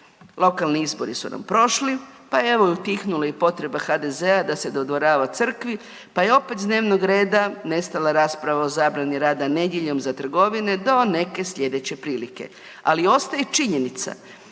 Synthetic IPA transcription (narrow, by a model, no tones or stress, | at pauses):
lˠo̞kalˠniizbo̞ɾisṵna̰mpɾo̞ʃlipajee̞ʋojut̪ixnulaipo̞t̪ɾe̞baxad̪e̞ze̞ad̪ase̞d̪o̞d̪ʋo̞ɾaːʋat̪sr̩kʋi | paje̞o̞pe̞t̪d̪ne̞ːʋnoɡɾe̞ːd̪ane̞st̪alaɾaːspɾaʋaozaːbɾaniɾaːd̪ane̞d̪jeʎo̞mzat̪r̩ɡo̞ʋined̪o̞ne̞ke̞sʎʲe̞d̪e̞t͡ɕe̞pɾiːlike̞̰ | a̰lio̞st̪ajet͡ʃiɲenit̪sa̰